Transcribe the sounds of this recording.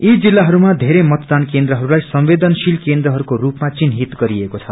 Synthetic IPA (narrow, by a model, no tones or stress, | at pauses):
id͡zilːaɦʌɾumad̪ʱeɾemʌt̪d̪ankend̪rʌɦʌɾulajsʌmbed̪ʌnsilkend̪ɾʌɦʌɾukorupmat͡sinɦit̪ɡʌɾiekot͡sʰʌ